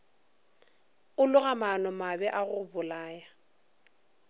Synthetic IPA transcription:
ʊlʊɣamanɔmabɛʔaɣʊbʊlaːja

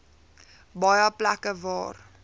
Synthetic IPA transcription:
bɑjəplækəvɑːr

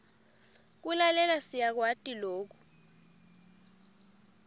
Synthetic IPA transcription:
k̬ulalɛlasijak̬watʼiloːk̬u̥

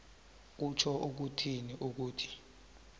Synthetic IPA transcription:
k̬ut͡ʃʰɔʔuk̬utʰiniʔuk̬uːtʰi̥

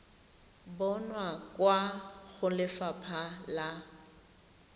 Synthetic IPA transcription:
bɔnwakwaɣʊlɪfapʰala

